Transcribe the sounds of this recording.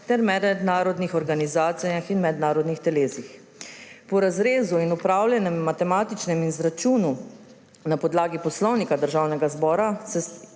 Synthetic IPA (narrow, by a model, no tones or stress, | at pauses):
t̪ɛɾmɛd̪ɛd̪naːɾɔd̪nixɔɾɡanizaːt̪sɛjaxinmɛd̪naːɾɔd̪nixt̪ɛleːsix | pɔɾazɾeːzuinupɾaːwljɛnɛmːat̪ɛmaːt̪it͡ʃnɛminzɾat͡ʃuːnu | napɔd̪laːɡipɔslɔwnikad̪əɾʒawnɛɡazbɔːɾasɛ